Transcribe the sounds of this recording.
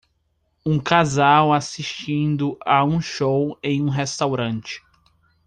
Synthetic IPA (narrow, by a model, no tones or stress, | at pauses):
ũkazawasiʃt͡ʃĩnd̪ʊʔaũʃowẽj̃ũɦest̪awɾɐ̃nt͡ʃɪ̥